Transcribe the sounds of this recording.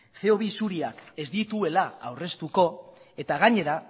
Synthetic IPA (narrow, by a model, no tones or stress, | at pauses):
θe̞o̞βisuɾiake̞zd̪it̪ue̞laawre̞st̪uko̞e̞t̪aɣ̞aɲe̞ɾa